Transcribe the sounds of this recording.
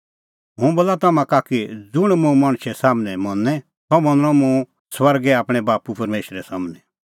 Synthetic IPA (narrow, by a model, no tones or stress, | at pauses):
ɦʊ̃boːlat̪ɐmãkakid͡zʊɽ̃mũmɐɽ̃ʃɛsaːmnɛmɐnːɛ | t̪ɔmɐ̃nɾ̃ɔ̃mũ | swɐɾɡɛaːpɽ̃ɛ̃baːpupɐɾmeːʃɾɛsaːmnɛ